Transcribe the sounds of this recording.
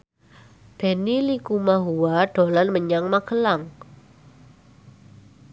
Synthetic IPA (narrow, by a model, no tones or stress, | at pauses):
b̥e̤nilikumaɦuwaɖ̥o̤lanməɲaŋmakəlaŋ